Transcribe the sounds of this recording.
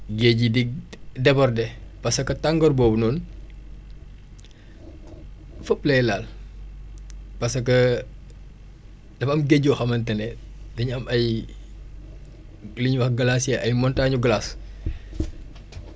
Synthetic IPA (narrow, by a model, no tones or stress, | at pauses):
ɡeɟidiɡ̚dɛbɔrdɛpɐsɐkɐtaŋɡɔrbɔːbnɔːn | fəplɛjlaːl | pɐsɐkɐ | dɐfɐmɡeɟɔxɐmɐntɛnɛ | dɐɲɐmɐj | liɲwɐxɡɐlasjɛʔɐjmɔntaːɲuɡlas